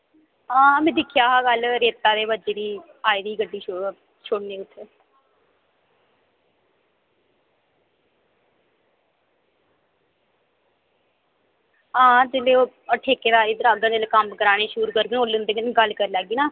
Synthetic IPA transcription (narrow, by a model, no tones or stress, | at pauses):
ɦãːmẽːd̪ɪkʰjaːɦaːɡəlɾeːt̪ːaːd̪eːbəd͡ʒeːd̪iː | aːiːd̪iːɡəɖːiːt͡ʃo | t͡ʃʰoːɽneːʊt̪ʰːe | ɦãːd͡ʒeːleːoː | əʈʰeːkeːd̪aːɾiːd̪əɾaːd̪ə̃d͡ʒeːleːkəmkəɾaːɽ̃eːʃuːɾukəɾɡənoːlʊnd̪eːɡənɡəlkəɾlɛːɡiːnaː